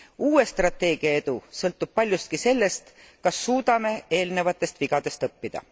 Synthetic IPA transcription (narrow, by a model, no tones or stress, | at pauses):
uːe̞st̪rɑt̪ːe̞ːɡ̥iɑe̞d̪̥usɤlt̪ːˑub̥̚pɑlʲjust̪̚kise̞lːe̞st̪ | kɑsːuːd̪̥ɑme̞e̞ːlne̞vɑt̪ːˑe̞st̪viɡ̥ɑd̪̥e̞st̪ɤpːid̪̥ɑ̰